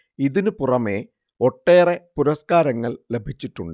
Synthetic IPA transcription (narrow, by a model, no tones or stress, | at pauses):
iðinɨpurɐme̞ | o̞ʈːe̞ːrepuɾɐskaːɾɐŋːɐɭlebʱit͡ɕːiʈːuɳɖɨ